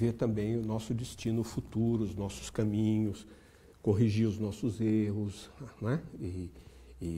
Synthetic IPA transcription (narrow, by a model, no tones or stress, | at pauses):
veɾt̪ɐ̃mbẽj̃ʊnɔsʊd͡ʒɪst͡ʃĩnʊfut̪uɾʊʊznɔsʊ̥skɐmĩɲʊs | koɦiʒiʊznɔsʊzeɦʊsnɛɪː